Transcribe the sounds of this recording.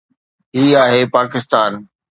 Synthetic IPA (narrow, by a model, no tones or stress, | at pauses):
ɦiːaːɦeːpaːkɪst̪aːn